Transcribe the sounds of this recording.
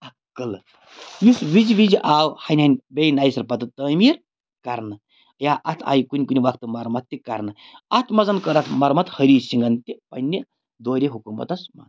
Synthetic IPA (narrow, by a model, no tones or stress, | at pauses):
ɐkːɨl | jusʋiziʋiziʔaːwhɐnʲhɐnʲbejnajsɐɾpɐt̪ɨt̪əmiːɾ | kɐɾnɨ | jaːʔɐt̪ʰa̰ːjkunʲkunʲiʋɐkʰt̪ɨmɐɾmɐt̪ːikɐ̰ɾnɨɐt̪ʰmɐzɐnkəɾɐt̪ʰmɐɾmɐt̪həɾiːsiŋɡɐnt̪ipɐ̰nʲːi | d̪oːɾʲeɦukumɐ̰t̪ɐsma̰n